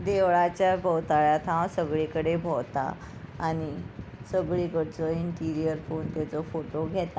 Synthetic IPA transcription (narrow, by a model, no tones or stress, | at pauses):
d̪eʋɭat͡ɕjabʱəwt̪aɭjat̪ʰãwsəɡɭikəɽebʱəwt̪a̰ː | ñisəɡɭikəɽt͡sɔiɳʈiɾijəɾfont̪at͡sɔfoʈoɡʱɛt̪a